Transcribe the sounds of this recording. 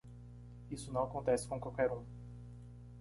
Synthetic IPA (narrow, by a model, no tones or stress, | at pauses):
isʊnɐ̃w̃akõnt̪ɛsɪ̥kõkwawkɛɾũ